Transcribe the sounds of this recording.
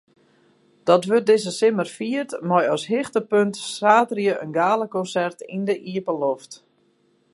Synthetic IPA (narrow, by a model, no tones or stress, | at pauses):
d̥ɔtʋør̚dɪzəsɪmərfiərtmɔjɔsɦɪxtəpøntsraːtrjəʔənɡaːləkɔnsɛrtindəʔiəpəloft